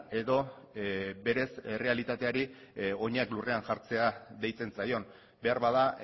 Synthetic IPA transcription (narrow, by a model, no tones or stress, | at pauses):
e̞ðo̞ | be̞ɾe̞se̞re̞alit̪at̪e̞aɾio̞ɲaklure̞aŋʝaɾt͡se̞aðe̞jt͡se̞nsajo̞n | be̞aɾβaða